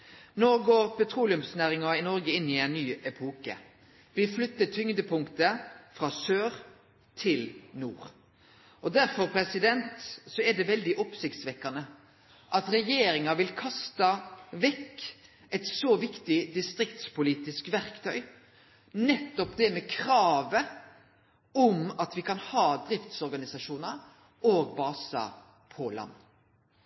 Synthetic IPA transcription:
noːɡoːʁpɛt̪ʰɾuːlɪʉmsnæːɾɪŋɑɪnɔɾɡəɪnːɪɛɪnːyːɛpʰɔːkə̰ | ʋɪflʏt̪ːəʈʰʏŋd̪əpʰʊŋkt̪əfɾɑːsøːʁ | t̪ʰɪlnuːʁ | ɔd̪æɾfɔɾpʰɾɛsɪd̪ɛnt̪sɔɛd̪ɛʋɛld̪ɪʔɔpsɪkt̪sʋɛkːɑnə | ʔɑt̪ɾɛjeːɾɪŋɑʋɪlkʰɑst̪ɑʋɛkː | ɛt̪soːʋɪkt̪ɪd̪ɪst̪ɾɪkt̪spʊliːt̪ɪskʋæɾkt̪ʰœʏ | nɛt̪ːɔpd̪ɛmɛkʰɾɑːʋə | ɔmɑt̪ʋɪkʰɑnhɑːd̪ɾɪft̪sɔɾɡɑnɪsɑʂuːnəɾ | oːɡbɑːsɑ̰ | pʰɔlɑ̰nː

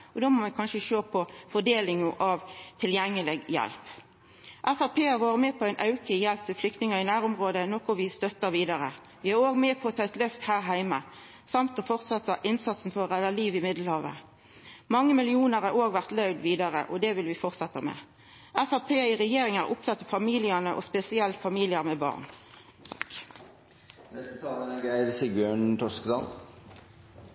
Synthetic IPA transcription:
ɔd̪oːmɔʋɛkʰɑnʃəʃoːpʰɔfɔd̪eːlɪŋʊʔɑʋt̪ʰɪljɛŋːəlɪɡjɛ̰lp | ʔæfæʁpeːɑʁʋoːɾəmɛpʰɔæɪnʔɑʉkəjɛlp̚t̪ʰɪlflʏk̚t̪nɪŋɑɪnæːʁʊmʁoːd̪ənɔkʊʋɪst̪œt̪ːəɾʋiːd̪ɑɾə | ʋɪæɾoːɡmɛːpʰɔːt̪ʰɑːɛt̪lœft̪hæːɾɦæɪmə | sɑmt̪ɔfɔʁt̪sɑt̪ːəʔɪnsɑt̪sn̩fɔʁɛlːəliːʋɪmɪd̪ləhɑːʋə̰ | mɑŋːəmɪlɪuːnəʁɑoːɡʋæʁt̪lɑʉd̪ʋiːd̪ɑʁə̰ʔɔd̪ɛʋɪlʋɪfɔʁt̪sɛt̪ːəmɛ̰ː | æfæʁpʰeːɪʁɛjeːʁɪŋæ̰ʁʔʊp̚t̪ʰɑt̪ːɑfɑmiːlɪənəʔo̰spɛsɪɛlt̪fɑmiːlɪəʁmɛbɑ̰ːʁnʰ | k | nɛst̪ət̪ʰɑːlənɛɡæɪɾsɪɡøːɳt̪ʰɔskd̪ɑ̰ːl

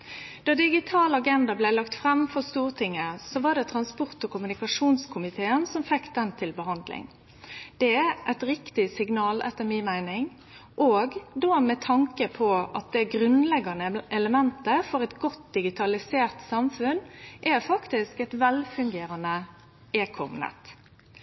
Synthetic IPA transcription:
d̪̥ɑd̪ɪɡɪt̪ʰɑːlɑɡɛnd̪ɑblæɪlɑkt̪fɾɛmfɔst̪uːʁt̪ʰɪŋːəsɔʋɑɖ̪ɛt̪ʰɾɑnspɔʁt̪ɔkʊmʉnɪkɑʂuːnskʰʊmɪt̪ʰeːənsɔmfɛkːd̪ɛnt̪ʰɪlbəɦɑnd̪lɪ̰ŋ | d̪̥ɛæʔæɪt̪ɾɪkt̪ɪsɪɡnɑːlʔɛ̰t̪ːəɾminmæɪnɪŋ | ʔoːɡd̪omɛt̪ʰɑŋkəpʰɔʔɑt̪̚d̪ɛɡɾʉnlɛɡɑnəʔɛləmɛnt̪əfɔɾɛt̪ɡɔt̪̚d̪ɪɡɪt̪ʰɑlɪseːʁt̪sɑmfʉnʔæɾfɑkt̪ɪskɛt̪ʋɛlfʉŋɡeːɾənə | eːkʰɔ̰mnɛ̰t̪

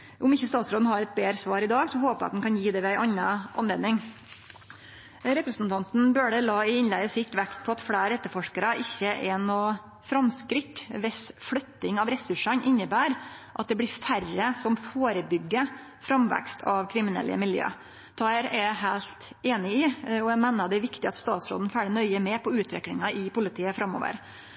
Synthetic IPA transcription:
ʔʊmɪçːəst̪ɑːt̪sɾoːd̪n̩hɑɾɛt̪̚beːɾsʋɑːɾɪd̪ɑːɡsɔhoːpəɑ̰t̪d̪n̩kʰɑnjiːd̪ɛʋɛæɪʔɑnːɑʔɑ̰nɛd̪nɪŋ | ɾɛpɾəsn̩t̪ɑnt̪n̩bøːɖɛlɑːɪɪnlæɪəsɪçt̪ʋækt̪pʰɔɑt̪fɽæːɾɛt̪ːəɾfɔʂkəɾəʔɪçːəʔɛnoː | fɾɑmskɾɪkʋɛsfɽœt̪ːɪŋɑʋɾɛsʉʂɑnʔɪɲːəbæːɾʔɑt̪̚d̪ɛblɪfærəsɔmfoːɾəbʏɡːə | fɾɑmʋæ̰kst̪ʰɑʋkʰɾɪmɪnɛ̰lʔə̰mɪljø̰ː | t̪ʰɑːəɾɛɦæɪlt̪eːnɪɪɔæmæːnɑd̪ɛʋɪkt̪ɪɑt̪st̪ɑːt̪sɾo̰ːd̪n̩fæːɖɪnœʏəmɛpʰɔʉːt̪ʰʋɪ̰kɽɪŋɑʔɪpʊlɪt̪ʰiːəfɾɑmo̰ːʋə̰ɾ

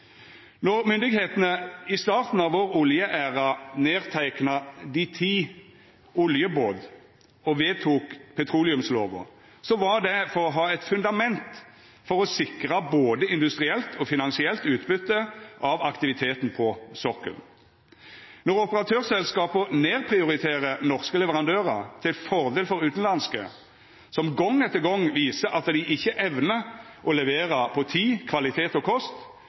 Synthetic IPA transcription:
nɔʁmʏnd̪ɪɡheːt̪nəɪst̪ɑːʁt̪n̩ɑʋoːʁʊljəʔæːʁɑneːʁt̪ʰæɪknɑd̪ɪt̪ʰiː | ʊljəboːd̪ | ɔʋeːt̪ʰuːkpʰɛt̪ʰʁuːlɪʉmsloːʋʊ̰ | sɔʋɑʁd̪ɛfɔʁɔɦɑːɛt̪fʉnd̪ɑmɛnt̪ | fɔʁɔsɪkʁɑboːd̪əɪnd̪ʉst̪ʁɪɛlt̪ʰɔfɪnɑnsɪɛlt̪ʉːt̪bʏt̪ːəʔɑʋɑkt̪ɪʋɪt̪ʰeːt̪n̩pʰɔsɔkə̰l | nɔɾɔpəʁɑt̪ʰøːʁsɛlskɑːpəneːʁpʰʁɪʊɾɪt̪ʰeːʁənɔʁskəlɛʋəʁɑnd̪øːʁət̪ʰɪlfɔʁd̪eːlfɔɾʉːt̪n̩lɑnskə̰ | sɔmɡɔŋːɛt̪ːəɡɔŋːʋiːsəʔɑt̪d̪ɪʔɪçːəʔɛʋnə | ʔɔlɛʋeːɾəpʰɔt̪ʰiːkʰʋɑlɪt̪ʰeːt̪ɔkʰɔst̪

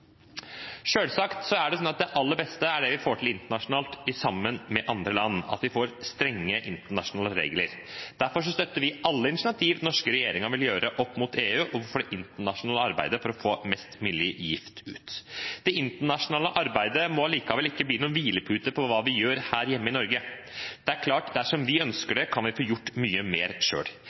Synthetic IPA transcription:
ʂøːlsɑkt̪sɔæɖɛsɔnɑt̪̚d̪ɛʔɑlːəɾbɛst̪əæɖɛʋɪfoːʈʰɪlɪnt̪əɳɑʂʊnɑːlt̪ɪsɑmːənmɛʔɑnd̪ɾəlɑnːɑ̰t̪ʋɪfoːɾst̪ɾɛŋːəʔɪ̰nt̪əɳɑʂʊnɑːləɾḛːɡləɾd̪̥æɾfɔʂ̬ɔst̪œt̪ːəɾʋɪʔɑlːəɪnɪʂɪɑt̪ʰiːʋnɔʂkəɾɛjeːɾɪŋɑʋɪljøːɾʔəʔɔpːmʊt̪ʰeːʉːʔɔʋʊɾfɔːɖɛʔɪnt̪əɳɑʂʊnɑːləɑɾbæ̰ɪd̪əfɔɾɔfoːmɛst̪mɪljəjɪft̪ʉ̰ːt̪d̪̥ɛɪnt̪əɳɑʂʊnɑːləʔɑɾbæɪd̪əmɔɑliːkɑʋɛlɪkːəbliːnʊuːnʋiːləpʰʉːt̪əpʰɔʋɑːʋɪjøːɾhæːɾjɛmːəɪnɔɾɡəd̪̥ɛæɾkʰlɑːʈd̪æʂɔmʋɪœnskəɖɛkʰɑnʋɪfoːjʊʈːmyːəmeːɾʂø̰ːɽ

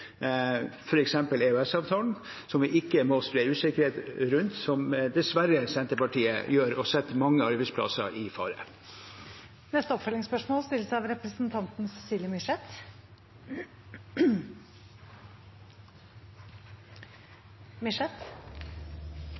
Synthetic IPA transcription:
fɔɾɛksɛmpəleːʉɛsɑːʋt̪ʰɑːln̩ | sɔmʋɪʔɪkːəmɔspɾeːɾʉːsɪkəɾheːt̪ɾʉnt̪sɔmd̪ɛsʋæɾəsɛnt̪əpɑʈiːə̰jøːɾɔsɛt̪ːmɑŋːəɑɾbæɪspʰlɑ̰sə̰ʔɪfɑ̰ːɾə̰ | nɛst̪əɔpfœlɪŋspœʂmoːlst̪ɪlːəsɑʋɾɛpɾəsn̩t̪ʰɑnt̪n̩sɛsiːlɪəmʏʂɛt̪ | mɪʂɛt̪

